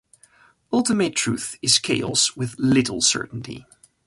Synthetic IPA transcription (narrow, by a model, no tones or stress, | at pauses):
ʌlˠtəmətʰɹ̥ʉθɪz̥kʰeɪɔ̰swɪðlɪɾl̩ˠsɜ̰˞ʔn̩tḭ